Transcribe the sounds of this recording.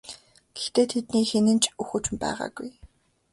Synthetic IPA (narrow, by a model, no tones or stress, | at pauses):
ɡ̥ext̪eːt̪ʰet̪niːxenɘ̆nt͡ɕʰuxɵ̆t͡ɕ̆mpæ̰ːʁa̰ːɡuj